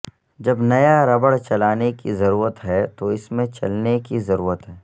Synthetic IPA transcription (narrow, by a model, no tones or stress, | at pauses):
d͡ʒɐbnɐjaɾɐbəɽt͡ʃɐlaːnekizɐɾuːɾət̪ɦɛt̪oɪsmẽt͡ʃɐlnekizɐɾuːɾət̪ɦɛː